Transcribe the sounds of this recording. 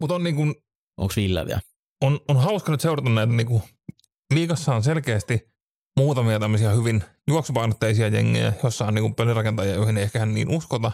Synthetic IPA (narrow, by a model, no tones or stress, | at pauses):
mut̪onniːŋkun | ʔo̰ːksʋilːɑ̰ʋḭæ̰ | ononhɑˑuskɑnyt̪seuɾɑt̪ɑnnæˑit̪æniːŋku | liːkɑsːɑːnselkeːst̪i | muːt̪ɑmiɑt̪æmːøsiɑhyʋinjuoksupɑˑinot̪ːeisiɑjḛŋːḛjæ̰josːɑˑːniːkumpɑlirɑkent̪ɑjɑjoihineˑiehkæhænnḭːnuskot̪ɑ